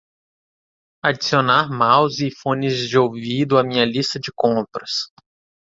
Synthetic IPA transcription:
ad͡ʒisionaɾmawzifõnɪzd͡ʒɪowvid̪ʊamĩɲɐlist̪ɐd͡ʒɪkõpɾɐs

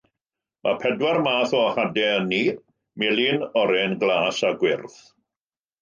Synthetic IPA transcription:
mʔa̰pʰɛdwarmaːθɔhadɛənːi | mɪlinɔɾɛnɡlˠaːsaɡwɪrθ

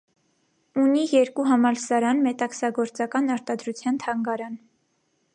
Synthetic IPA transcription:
unijɛɾkuɦɑmɑlsɑɾɑnmɛt̪ɑksɑɡɔɾt͡sɑkɑnɑɾt̪ɑd̪ɾut͡sʰjɑnt̪ʰɑŋɡɑɾɑn

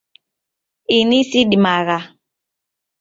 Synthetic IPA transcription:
inisiɗimaɣa

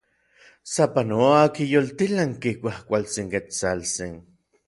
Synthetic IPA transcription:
sapanoakijolt̪ilaŋkikʷahkʷalt͡siŋket͡salt͡sin

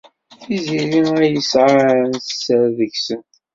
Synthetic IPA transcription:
θiziliæjəsʕaɾənθəsəɾðəçsənt̪

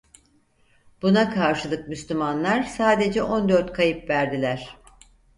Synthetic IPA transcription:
b̥unakʰaɾʃɯlˠɯk̚myslʲymanlˠaɾsaːd̪e̞d͡ʒɛʔo̞nd̪øɾt̪kʰajɯpvæɾd̪ilʲæɾ̥

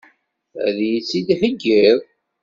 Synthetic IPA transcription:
æ̰ðjit͡sːid̪həɡːiðˤ

